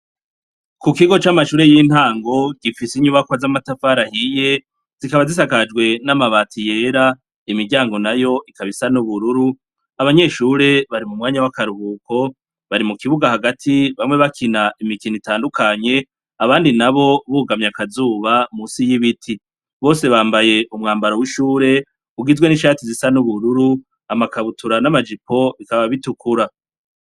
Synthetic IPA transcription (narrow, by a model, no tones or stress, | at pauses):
kukiɡo̞t͡ʃamaʃuːɾe̞jiːn̥haːŋɡo̞ɡifisiɲuβakwazamatafaɾahije̞ | z̥ikaβazis̬akad͡ʒɡwe̞namaβaːtʰije̞ːɾa | imiɾɟaːŋɡo̞najo̞ʔikaβisanuβuɾuɾu | aβaɲe̞ːʃuːɾe̞βaɾimumŋaːɲawakaɾuβuːko̞ | βaɾimukiβuɡahaɡatʰiβamŋe̞βakʰinaimikinitaːndukʰaɲe̞ | aβaːndinaβo̞βuɡamɲakazuːβamusijiβitʰi | βo̞ːse̞βaːmbaje̞ʔumŋaːmbaɾowiʃuːɾe̞ | uɡizwe̞niʃaːtizisanuβuɾuɾu | amakaβutʰuɾanamad͡ʒipʰo̞ʔikaβaβitukuɾa